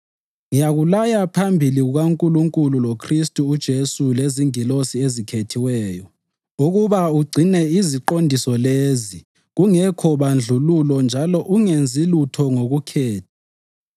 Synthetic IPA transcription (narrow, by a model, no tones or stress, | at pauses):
ŋijaɣulajapʰambʱiliɣuɣaŋkʼuluŋkʼululokʰristʼuːd̥ʒ̥ʱesuleziŋilosiezikʰetʰiwɛːjɔ | uɣuβauɡ͡ǀʱinɛiziǃondʱisɔlezi | ɣuŋɛkʰɔβand͡ɮʱululɔnd͡ʒʱalɔʔuŋend͡zʱilutʰɔŋoɣukʰɛːtʰḁ